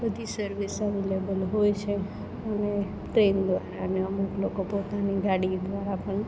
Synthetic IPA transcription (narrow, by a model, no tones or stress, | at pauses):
bəd̪ʱisəɾʋisəʋilebəlɦojt͡ʃʰe | əne | ʈɾend̪ʋaɾaəneəmuklokopot̪aniɡaɽid̪ʋaɾapəɳ